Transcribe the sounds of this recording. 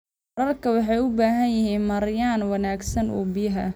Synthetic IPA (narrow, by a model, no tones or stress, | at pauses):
ɐɾɐlkʰɐwɑħɑjʊbaːɦɐnjɪɦiːnmɐɾjaːnwɐnaːɡsɐnṵːbɪjɐɦɐ̰